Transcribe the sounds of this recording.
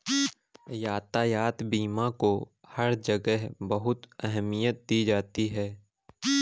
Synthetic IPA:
jaːt̪ajaːt̪biːmãko | hɐɾd͡ʒəɡəɦbɐɦʊt̪ɛɦɛmijət̪̚d̪id͡ʒaːt̪iɦɛː

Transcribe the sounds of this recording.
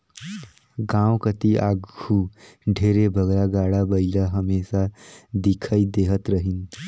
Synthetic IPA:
ɡãwkət̪iʔaɡɡʱuɖʱeɾebʱəɡɾaɡaɽabəɪlaɦəmesad̪ikʰəjd̪eɦət̪ɾəɦin

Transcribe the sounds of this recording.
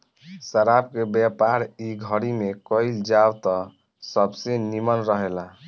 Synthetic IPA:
səɾabkebjɛpaɾiɡʱəɾimekəɪld͡ʒawt̪ɔ | səbsenimənɾəɦela

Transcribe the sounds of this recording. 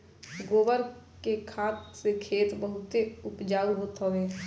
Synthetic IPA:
ɡoːbəɾkekʰaːt̪sekʰeːt̪bəɦʊt̪eʊpd͡ʒaːuɦoːt̪ɦəʋeː

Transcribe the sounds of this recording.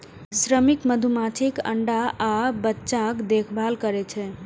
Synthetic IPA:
sɾəmikməd̪ʱumatʰikə̰ɳɖaabətːt͡ʃãkd̪ekʰbʱalkəɾɛt͡ʃʰɛ

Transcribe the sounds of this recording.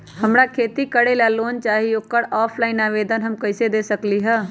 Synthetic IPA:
həmɾakʰeːt̪ikəɽelaloːnt͡ʃaːɦioːkəɾɔːpʰlaːɪnaːʋeːd̪ənɦəmkəɪsed̪eːsəkliɦɛː

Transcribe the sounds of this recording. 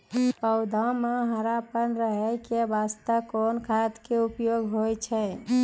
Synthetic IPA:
pəʊd̪ʱãmeɦəɾapənɾəɦəkebast̪əkonkʰat̪keupjoɡɦojt͡ʃʰɛ

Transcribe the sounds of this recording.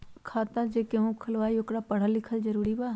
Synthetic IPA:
kʰaːt̪ad͡ʒekeɦũkʰəlʋaːiokɽapɐɽ̤alɪkʰəld͡ʒəɾuːɾiba

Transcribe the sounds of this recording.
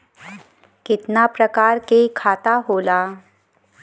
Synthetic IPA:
kɪt̪napɾɐkaːɾkekʰaːt̪aɦoːlaː

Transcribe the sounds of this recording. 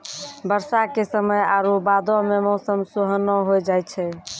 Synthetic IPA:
bəɾsakesəməjaɾobad̪ɔmemɔsəmsuɦənɔɦojd͡ʒajt͡ʃʰɛ

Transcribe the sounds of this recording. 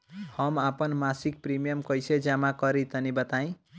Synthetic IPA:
hʌmapʌnmasik̚primijʌmkʌjsed͡zamakʌɾit̪ʌnibʌt̪aĩ

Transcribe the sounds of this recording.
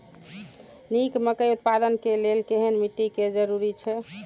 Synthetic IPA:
nikməkəjut̪̚pad̪ənkelelkeɦənmit̪ːiked͡ʒəɾuɾit͡ʃʰɛ

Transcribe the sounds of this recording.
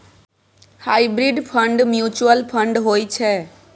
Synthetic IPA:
hajbɾiɖpʰəɳɖmjut͡ʃuəlpʰəɳɖɦojt͡ʃʰɛ

